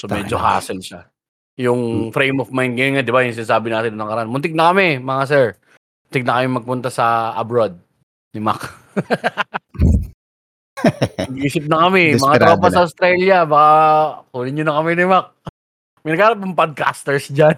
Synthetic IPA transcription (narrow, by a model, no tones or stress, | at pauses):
somɛːd͡ʒoɦa̰ːsɛlʃa | jʊŋfɾejmɔfmajn̚ɡɐjonŋad̪ɪbajʊŋsɪnaːsaːbɪnaːt̪ɪnonːɐŋkɐɾɐʔanmʊnt̪ɪɡ̚nɐkɐmɛmɐŋas̬ɛɹ | mʊnt̪ɪɡ̚nɐkɐmɪmɐɡ̚pʊnt̪asɐʔɐ̰bɾod̪̚ | nɪma̰k | ɐɡʔiːsɪp̚nɐkɐmɛmɐŋaamɐsɐʊst̪ɾɛljɐbakakuːlɪɲɲʊnɐkɐmɛnɪmak̚ | mɐjnɐɡaːɾɐp̚nɐŋpod̪̚ka̰st̪ɛɹsd͡ʒan